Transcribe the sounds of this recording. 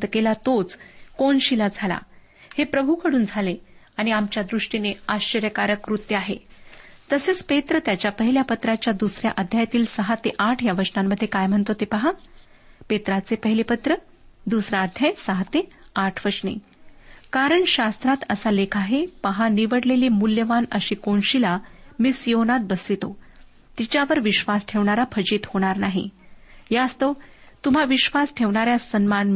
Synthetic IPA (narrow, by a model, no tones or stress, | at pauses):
t̪kelat̪ot͡skoɳɕilad͡zʱala̰ | hepɾəbʱukʰəɽuːnd͡zʱaleaɽ̃iamt͡ɕjad̪ɾuʂʈineaɕəɾjəkaɾəkɾut̪jəaɦḛt̪əset͡spet̪ɾət̪jat͡ɕjapəɦiljapət̪ɾat͡ɕjad̪usɾja̰ʔəd̪ʱjajat̪iːlsəɦat̪eʔaʈʰjaʋəɾsnamːəd̪ʱːjekajm̤əɳt̪ot̪epəɦa | pet̪ɾat͡sepəɦilepət̪ɾə | d̪usɾaːd̪ʱjajsəɦat̪eaʈʰʋəɾʂɳḛ | kaɾəɳɕast̪ɾat̪əsalekʰaɦepəɦaniʋəɽleliːmuljəʋanəɕiːkoɳɕilamisjonat̪̚bəsʋit̪o | t̪it͡ɕaʋəɾʋiɕʋasʈʰeʋɳaɾapʰəd͡ʑiːt̪hoɽ̃aɾnaɦḭjaəst̪o | t̪um̤aʋiɕʋasʈʰeʋɳaɾjasənmanm